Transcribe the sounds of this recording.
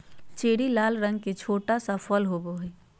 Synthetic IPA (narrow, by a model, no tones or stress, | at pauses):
t͡ʃeːɽilaːlɾə̃ŋɡ̚ket͡ʃʰoːʈasəpʰəlɦoboɦɛ